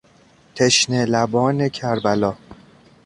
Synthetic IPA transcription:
t̪ʰeʃnelæbɒːnecʰæɾbælɒː

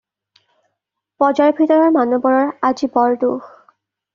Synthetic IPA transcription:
pɔzaɹbʱitɔɹɔɹmanubɔɹɔɹad͡ʒibɔɹdux

